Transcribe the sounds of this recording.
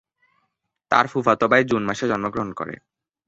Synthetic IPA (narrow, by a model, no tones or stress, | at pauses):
t̪a̰ɾfufat̪obaed͡ʑunmaʃed͡ʑɔnmoɡɾoɦonko̰ɾḛ